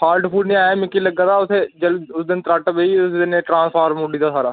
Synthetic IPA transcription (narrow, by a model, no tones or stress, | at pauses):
haːɾɖpʰuːɖnĩaːjamɪkːilɐɡːəɾaːʊsed͡ʒɐlʊsd̪ɪnt̪ɾaːʈbeiʊsd̪ɪneʈɾãːnspʰaːɾmuɖiːd̪asaːɾaː